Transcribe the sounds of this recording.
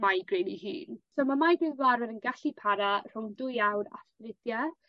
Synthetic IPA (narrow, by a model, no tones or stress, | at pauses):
majɡrejniɦḭːnsomamajdɪðlˠaɾɛvənɡaɬipʰaɾar̥ʊwndʊjawɾa̰strɪdja